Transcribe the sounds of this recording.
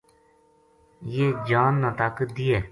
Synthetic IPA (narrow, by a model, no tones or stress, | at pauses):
jeːd͡ʒaːnːaːt̪aːkəd̪iːɛː